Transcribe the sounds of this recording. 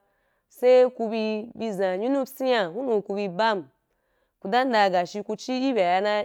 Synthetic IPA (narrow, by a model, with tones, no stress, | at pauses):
se˦ku˧bi˧bi˧zã˨ɲu˦nu˦si˦ja˨hu˦nu˨ku˧bi˧ba˦˨m˨ | ku˧da˦n˦da˧˨ɡa˨ʃi˧ku˧t͡ʃi˦ji˦bʲa˨ja˧na˦